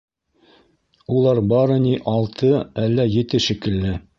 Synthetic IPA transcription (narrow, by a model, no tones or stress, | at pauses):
ulˠɑɾbɑɾɤ̆niʔɑlˠt̪ʰɤælːæjɘ̆t̪ɘʃɘ̆kɘ̆lːɘ